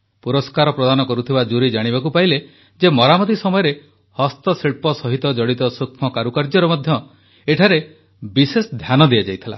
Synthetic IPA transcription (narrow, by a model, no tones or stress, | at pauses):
puɾɔskaɾɔpɾɔd̪anɔkɔɾut̪ʰibad͡ʒuɾid͡ʒaɽ̃ibakupaɦile | d͡ʒemɔɾamɔt̪̬isɔmɔjɔɾe | hɔst̪ɔsiɭpɔsɔɦit̪ɔd͡ʒɔɽit̪ɔsukʰmɔkaɾukaɾd͡ʒɔɾɔmɔd̪ʱjɔ | eʈʰaɾe | bisesɔd̪ʱjanɔd̪iad͡ʒajt̪ʰila̰